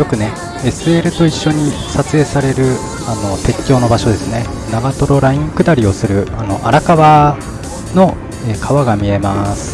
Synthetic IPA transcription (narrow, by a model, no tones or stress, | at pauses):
jo̞kɯ̟ne̞ | e̞sɨe̞ɾɯ̟t̪o̞iɕːo̞ɲ̟isat͡sɨe̞ːsaɾe̞ɾɯ̟ | ano̞t̪e̞kʲːo̞ːno̞baɕo̞d̪e̞sɨne̞ | naɡat̪o̞ɾo̞ɾaĩŋkɯ̟d̪aɾʲio̞sɨɾɯ̟ano̞̰ʔa̰ɾakaβa | no̞ | eːkʰaβaɡamʲie̞masɨ̥